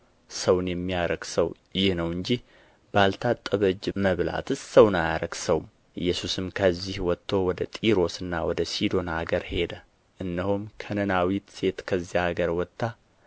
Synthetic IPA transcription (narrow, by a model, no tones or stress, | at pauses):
səwnjɛmːijaɾəɡsəw | jɪhnəwɨɲd͡ʒih | balt̪ʰat̪ʼːəβəd͡ʒməβla̰t̪ɨsəwnajaɾəɡsəwm | ʔɨ̰jːɛsusɨmkʰəzːihwɔt̪ʰːo̞wɔd̪ət̪ʼiɾo̞sɨnːawɔd̪əsid̪o̞nhaɡəɾhe̞d̪ə | ʔɨnːəhumkʰənənawit̪se̞t̪kʰəzːihaɡəɾwɔt̪ʰʼːa